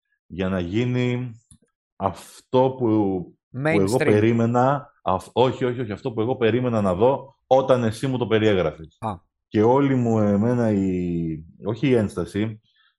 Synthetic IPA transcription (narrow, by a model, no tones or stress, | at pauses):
ʝɐnɐʝini | ɐft̪o̞pu | e̞ɣo̞e̞ɾime̞nɐ | o̞çio̞çio̞çiɐft̪o̞pue̞ɣo̞pe̞ɾime̞nɐnɐðo̞ | o̞t̪ɐne̞simut̪ope̞ɾie̞ɣɾɐfes | ce̞o̞limue̞me̞nɐi | o̞çiːe̞nst̪ɐsi